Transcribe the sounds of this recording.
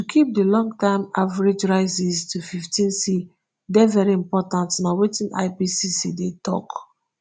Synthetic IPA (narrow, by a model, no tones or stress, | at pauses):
tukʰip̚dilɔ̃ŋɡtãɪmavaɹed͡ʒɹaɪsiztʰufiftʰĩnsi | dɛvɛɹiĩmpɔtãntnawetĩna̰ɪpisisidetʰɔ̰k